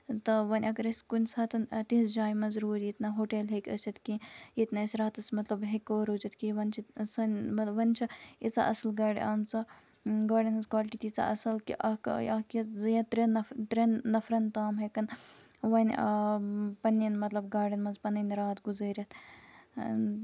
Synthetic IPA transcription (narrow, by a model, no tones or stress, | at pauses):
t̪ɐʋɐnʲɐɡɐɾɐskunʲsɐːt̪ɐnt̪ĩsd͡ʒaːjmɐzɾuːɾʲjit̪nɐɦoːʈelɦekʲɐt͡ʃʰɐt̪kĩjit̪naːisʲɾaːt̪ɐsmɐt̪lɐbɦekʲoːɾot͡ʃɐt̪kiʋɐnʲt͡ʃʰisɐnʲmɐʋɐnʲt͡ʃʰiit͡sa̰ʔɐsɐlɡaːɽʲḭʔaːmt͡sɐ | ɡaːɖɐnmɐnzkwaːlʈit̪it͡sa̰ʔɐsɐlkḭʔɐkakɐzɨjɐt̪ɾɐnɐt̪ɾʲɐnːɐfɾɐnt̪aːmɦekɐn | ʋɐnʲ | pɐninmɐt̪lɐbɡaːɖɐnmɐnzpɐnɐnɾaːt̪ɡuzɐːɾʲɐt̪